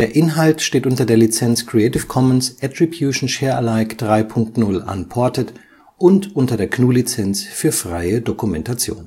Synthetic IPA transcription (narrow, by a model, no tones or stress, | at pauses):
d̥eːɐʔɪnɦaltʃteːtʔʊntɐdeːɐlit͡sɛnt͡skʁ̥iɛtɪfkʰɔmənsʔɛtʁ̥ibjuʃn̩ʃɛːɐʔalaɪkd̥ʁaɪpʰʊŋktnʊla̰npʰɔɐtət | ʔʊntʔʊntɐdeːɐkʰnuːlit͡sɛnt͡sfyːɐfʁ̥a̰ɪədokumɛntat͡sjo̰ːn